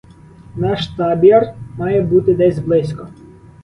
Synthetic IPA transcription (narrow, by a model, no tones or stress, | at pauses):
nɑʃt̪ɑbʲiɐrmɑjɛbut̪ɪd̪ɛzʲblˠɪsʲkɔ